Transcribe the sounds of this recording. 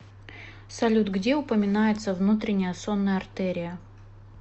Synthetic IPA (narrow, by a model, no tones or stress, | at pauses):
sɐlʲut̪ɡdʲeʊpəmʲɪnajɪt̪səvnut̪ɾʲɪnʲɪjəso̞nːəjəɐrt̪ɛɾʲɪjə